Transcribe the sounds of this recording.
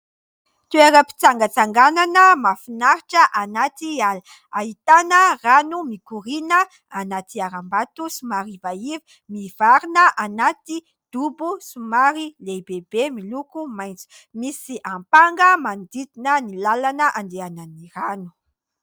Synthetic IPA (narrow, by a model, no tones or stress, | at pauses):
t̪ueɾəpi̥t͡saŋɡət͡saŋɡananəmafinaɾiʈ͡ʂəʔanat̪ial | aɦit̪anəranumikuɾinə | anat̪iaɾambat̪usumaɾivaivi | mivaɾinəʔanat̪i | d̪̥ubusumaɾilebebemilukumajnt͡su̥ | misiʔampaŋɡəmand̪id̪inənilalanəʔand̪eananiranu̥